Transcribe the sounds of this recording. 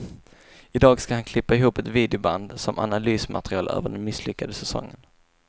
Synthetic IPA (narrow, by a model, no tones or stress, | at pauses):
ɪd̪ɑːɡskahankʰlɪpːaɪɦuːpɛt̪viːd̪ɛʊba̰nd̪sɔmʔa̰nalyːsma̰t̪ɾɪɑːlø̰ːvəɖɛnmɪslʏkːad̪əsɛsɔ̰ŋːən